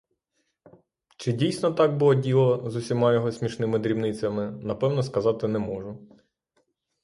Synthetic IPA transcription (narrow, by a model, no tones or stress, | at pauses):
t͡ʃɪdʲijsʲnɔt̪ɑɡ̚bʊlˠɔdʲilˠɔzʊsʲimɑjɔɦɔsʲmʲiʃnɪmɪd̪ɾʲiwnɪt͡sʲːɐmɪnɐpɛwnɔskɐzɑt̪ɪnɛmɔʒʊ